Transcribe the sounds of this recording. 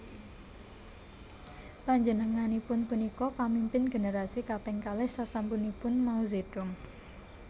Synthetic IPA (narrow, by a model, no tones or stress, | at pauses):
paɲd͡ʒənəŋanipʊnpunikɔpamimpɪnɡeneɾasikapɛŋkalɛhsasampunipʊnmauzed̥ʊm